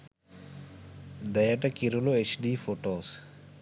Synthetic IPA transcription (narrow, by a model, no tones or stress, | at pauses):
d̪ɐjəʈɐkiɾuloet͡ʃɖiːfoʈoːs